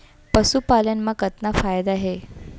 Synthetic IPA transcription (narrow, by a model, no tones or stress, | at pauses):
pəsupaljanməɡət̪nafajd̪aɦe